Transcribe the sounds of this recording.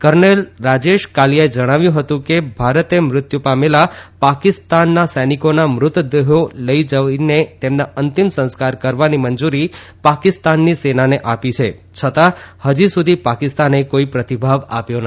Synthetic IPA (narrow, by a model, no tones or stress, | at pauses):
kəɾnelɾad͡ʒeʃkalijaed͡ʒəɽ̃aʋjũɦət̪ũkebʱaɾət̪emɾʊt̪jupamelapakɪst̪anːasənikonamɾʊt̪d̪eɦoləid͡ʒəʋinet̪emnaənt̪imsə̃nskaɾkəɾʋanimənd͡ʒuɾipakɪst̪anːisenaneʔapit͡ʃʰe | t͡ʃʰət̪ahəd͡ʒisud̪ʱipakɪst̪anekoipɾət̪ibʱaʋa̰pjon